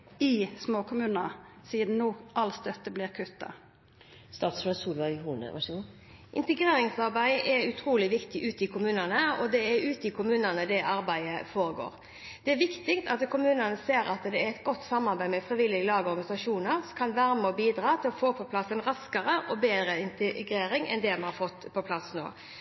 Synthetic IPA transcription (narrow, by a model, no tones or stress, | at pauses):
ɪsmoːkʰʊmʉːnɑsiːd̪n̩nuːʔɑlst̪œt̪ːəbliːɾkʰʉt̪ːɑ̰ | st̪ɑːt̪sməsuːlʋɑhuːnə̰ʋɑ̰ | ʔɪ̰nt̪əɡʁeːɾɪŋsɑʁbæɪʔɛʉt̪ʰɾuːlɪʋɪkt̪ɪʔʉːt̪ɪkʰʊmʉːnənəɔd̪ɛæɾʉːt̪ɪkʰʊmʉːnənəd̪ɛʔɑɾbæɪəfoːɾəɡo̰ːɾ | d̪̥ɛæɾʋɪkt̪ɪkt̪ɑt̪kʰʊmʉːnənəseːɾɑ̰t̪d̪ɛæɾɛt̪ɡɔt̪ːsɑmːɑʁbæɪmɛfʁɪʋɪlːɪəlɑːɡɔɾɡɑnɪsɑʂuːnəɾsɔkʰɑnʋæɾməɔbiːd̪ɾɑːt̪ʰɪlɔfoːpʰɔpʰlɑsːənʁɑskəɾəʔɔbeːd̪ɾəɪnt̪əɡɾeːɾɪŋɛ̰nd̪ɛmɛnhɑɾfɔt̪ːpʰɔpʰlɑsno̰ː